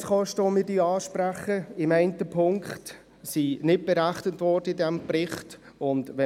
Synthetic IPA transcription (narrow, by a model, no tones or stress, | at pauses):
sχɔʃtəʋomɪːɾdiːɑːʃpɾæχəɪmæɪntəpʰʊŋkχt | sinɪt̚b̥eɾæχnətvɔɾd̥əidɛmb̥rɪχt | ʊndʋɛ